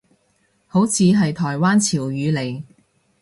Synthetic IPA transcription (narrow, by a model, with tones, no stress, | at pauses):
ho˨˥wt͡sʰiː˨˧ɦɐ˨jt̪ʰɔː˨˩jwaː˥nt͡sʰiː˨˩wjyː˨˧le˨˩j